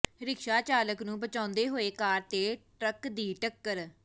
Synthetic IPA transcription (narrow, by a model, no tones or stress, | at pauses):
ɾɪkʃaːt͡ʃaːləknũːbət͡ʃãːnd̪eːɦoːeːkaːɾt̪eːʈɾəkd̪iːʈəkːəɾ